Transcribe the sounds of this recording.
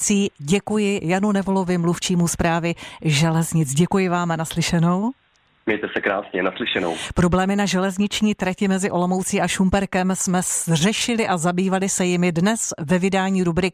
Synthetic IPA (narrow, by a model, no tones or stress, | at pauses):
t͡siːɟɛkujɪjanunɛvo̞lo̞vɪmluft͡ʃiːmuspɾaːvɪʒɛlɛzɲɪt͡sɟɛkujɪvaːmanaslɪʃɛno̞w | mɲɛjt̪ɛsɛkɾa̰ːsɲɛnaslɪʃɛno̰wpɾo̞blɛːmɪnaʒɛlɛzɲɪt͡ʃɲiːt̪ɾɛcɪmɛzɪʔo̞lo̞mowt͡siʔaʃumpɛɾkɛmsmɛsr̝ɛʃɪlɪʔazabiːvalɪsɛjɪmɪdnɛsvɛvɪdaːɲiːɾubɾɪk̚